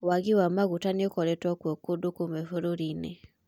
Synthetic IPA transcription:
waɣiwamaɣutaniokɔɾɛtwakwekodukomefoɾoɾinḛ

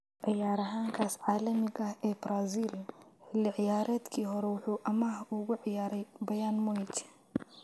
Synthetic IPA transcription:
ʕɪjaːɾɐɦaːŋkʰaːsʕaːlɐmɪɣɐhɛːbɾaːziːllɪʕɪjaːɾʔɛːd̪kʰiːɦɔɾɛwʊħuːʔɐmaːhʊɣʊʕɪjaːɾɛjbɐjaːnmʊɪt͡ʃ

